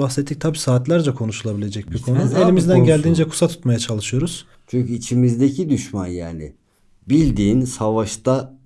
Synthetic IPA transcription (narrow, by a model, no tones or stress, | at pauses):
baxset̪ʰːic̚t̪ʰabiːsaːt̪lʲˠæɾd͡ʒakʰo̞nuʃulˠabilʲe̞d͡ʒɛc̚biɾkʰo̞nuelʲimizd̪ænɟælʲd̪iːnd͡ʒɛkʰu̥sat̪ʰu̥t̪majat͡ʃʰalˠɯʃɯjo̞ɾuz̥ | t͡ʃʰyɲcyit͡ʃʰimizd̪ecʰid̪yʃmanjaːnɪ̰ | bilʲd̪iːnsavaʃt̪a